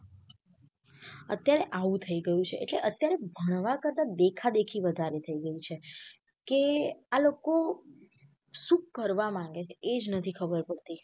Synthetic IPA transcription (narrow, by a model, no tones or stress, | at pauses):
ə̰t̪jaɾeʔaʋũt̪ʰəiɡəjũt͡ʃʰeʔḛʈleʔət̪jaɾebʱəɽ̃ʋakəɾt̪ad̪ekʰad̪ekʰiʋəd̪ʱaɾet̪ʰəiɡəit͡ʃʰe | kealoko | sũkːəɾʋamãŋɡet͡ʃʰeʔed͡ʒnət̪ʰikʰəbəɾpəɽt̪i